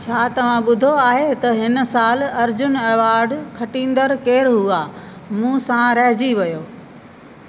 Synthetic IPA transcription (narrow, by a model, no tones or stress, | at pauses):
t͡ɕʰaːt̪ɐʋ̤ãɓʊd̪ʱoaːɦet̪ɐɦɪn̆saːlɐɾd͡ʑʊnɛːʋaːɾɖkʰɐʈĩːn̆d̪əɾkeːɾɦuaː | mũːsãɾɐɦd͡ʑiʋɐjoː